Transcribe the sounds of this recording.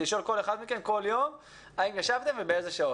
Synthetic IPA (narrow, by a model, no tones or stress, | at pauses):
iʃo̞lko̞leχad̪mike̞nko̞ljo̞m | aimjaʃavt̪e̞mvebeezeʃao